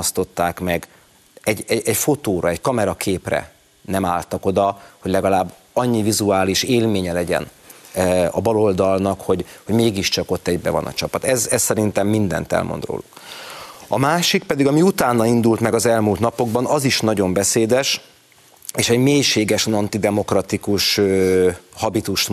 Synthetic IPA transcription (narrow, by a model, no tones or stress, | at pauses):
mɒst̪o̞t̪ːaːkmɛɡ | ɛɟɛɛcfo̞t̪oːɾɒɛckɒmɛɾɒkʰeːprɛ̰ | nɛmaːlt̪ɒko̞d̪ɒhoɟlɛɡɒlaːbː | ɒɲːivizuaːliʃeːlmeːɲɛlɛɟɛ̰n | ɒbɒlo̞ld̪ɒlnɒkho̞ɟhoɟmeːɡiʃt͡ʃɒko̞t̪ːɛɟbɛ̰vɒ̰nɒ̰t͡ʃɒpɒt̪ɛzɛsːɛɾint̪ɛmːind̪ɛ̰nt̪ɛ̰lmo̰nd̪ro̰ːluk | ɒmaːʃikpɛd̪iɡɒmiut̪aːnːɒind̪ult̪mɛɡɒzɛlmuːlt̪nɒpo̞ɡ̚bɒnɒziʃnɒɟo̞mbɛseːd̪ɛʃ | eːʃɛɟmeːjʃeːɡɛʃnɒnt̪id̪ɛmo̞krɒt̪ikuʃøhɒbit̪uʃt̪